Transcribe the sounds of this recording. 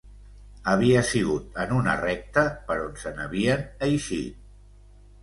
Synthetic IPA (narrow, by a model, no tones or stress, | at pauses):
əβ̞iəsiɣ̞ut̪ənunə̰rɛk̚t̪əpəɾonsənə̰βiənəjʃḭt̪̚